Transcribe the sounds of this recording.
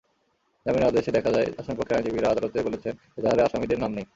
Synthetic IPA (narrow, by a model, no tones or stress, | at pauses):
d͡ʑaminad̪eʃed̪ɛkʰad͡ʑaeaʃamipokʰːeɾãd͡ʑibiɾaad̪alot̪ebolet͡ɕʰen | ed̪aɦaɾeaʃamid̪eɾnamnej